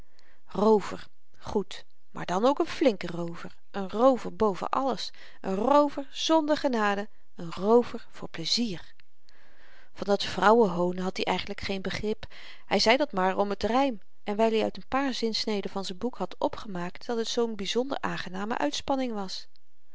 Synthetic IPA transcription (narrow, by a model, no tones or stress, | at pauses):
rowvə̰ɹ | χut | ma̰ːɹdɑnowkənflɪŋkərowvəɹ | ʔənrowvəɹbowvə̰ʔɑ̰ləs | ʔənrowvəɹz̥ɔndəɹχənaːdə | ənrowvəɹv̥ʊːɹpləziːr | vɑndɑtfrʌwəɦownəɦɑt̚diʔɛjχənləkχejnbəχrɪp | hɛjzɛjdɑtmaːɹɔmətrɛjm | ʔɛnʋɛjliœ̰ɥtənpaːɹzɪnsnejdəvɑnzɛnbukhɑtɔpχəmaːktd̥ɑtɦətsownbizɔndə̰ɹʔa̰ːŋχənaːmə̰ʔœ̰ɥtspɑnɪŋʋɑs